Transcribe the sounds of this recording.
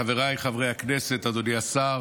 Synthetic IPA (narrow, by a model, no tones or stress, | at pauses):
aveʁajχavʁejaknese̞t̪ad̪oniasa